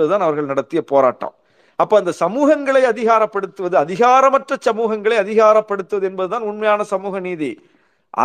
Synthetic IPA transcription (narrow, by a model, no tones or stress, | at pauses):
ɐðɯt̪aːnɐʋɐɾɣɐɭnɐɽɐt̪ːɪjɐpoːɾa̰ːʈːɐ̰m | ɐpːoːɐnd̪ɐsɐmuːɣɐŋɡɐɭɐɪɐðɪɣaːɾɐpːɐɽɯt̪ːɯʋɐðɯɐðɪɣaːɾɐmɐʈrɐt͡ʃːɐmuːɣɐŋɡɐɭɐɪɐðɪɣaːɾɐpːɐɽɯt̪ːɯʋɐðɯɛnbɐðɯt̪aːnʊɳmɐjaːnɐsɐmuːɣɐniːðḭ | ʔɐ̰